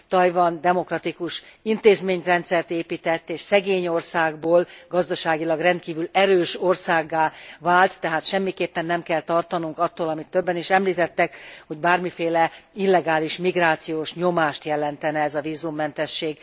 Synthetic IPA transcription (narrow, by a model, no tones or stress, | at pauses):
t̪ɒjvɒnd̪ɛmo̞krɒt̪ikuʃint̪eːzmeːɲrɛnt̪sɛrt̪eːpiːt̪ɛt̪ːeːʃsɛɡeːɲo̞rsaːɡboːlɡɒzd̪ɒʃaːɡilɒɡrɛnt̪kiːvylɛɾøːʃorsaːɡːaːvaːlt̪ːɛɦaːt̪ʃɛmːikeːpːɛnːɛmkɛlt̪ɒrt̪ɒnuŋkɒt̪ːoːlɒmit̪ːøbːɛniʃɛmliːt̪ɛt̪ːɛkho̞ɟbaːrmifeːlɛilːɛɡaːliʃmiɡraːt̪sijoːʃɲomaːʃt̪jɛlɛnt̪ɛnɛɛzɒviːzumːɛn̪t̪ɛʃːeːɡ